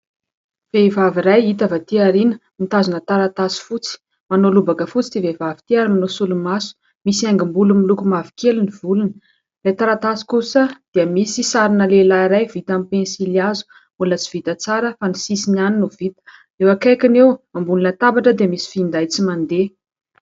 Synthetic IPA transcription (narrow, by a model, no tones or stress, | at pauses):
v̥evaviɾajit̪avat̪iaɾinəmit̪azunət̪aɾat̪asi̥fut͡si̥ | manolubakəfut͡si̥d̪ivevavit̪iaɾimanosulumasu̥ | misaŋɡimbulumilukumavi̥keliniv̥ulunə | rejt̪aɾat̪asi̥kusəd̪̥iəmisisaɾinəlelaiɾajvit̪amipensiliazu̥ | mulət͡si̥v̥it̪ət͡saɾəfanisisinaninuvit̪ə̥ | ewakajkinewambunilat̪abaʈ͡ʂəd̪eəmisi̥find̪ajt͡simand̪e